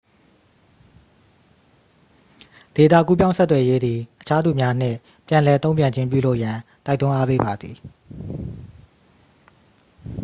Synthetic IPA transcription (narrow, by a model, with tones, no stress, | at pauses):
d̥e˨t̪ä̰˦˨ku˦pjã˦ʊ̃sɛ˦t̪ːwɛ˨je˦d̪ði˨ʔət͡ɕʰa˦d̪u˨mja˦n̥ɪ̰̃˦˨ | pjã˨lɛ˨t̪õ˦ʊ̃mpjã˨ɲd͡ʑɪ̃˦mp̬jṵ˦˨lo˦ʊʔjã˨t̪a˦ɪt̪ːʊ̃˦ʔa˦pḛ˦˨ba˨d̪ði˨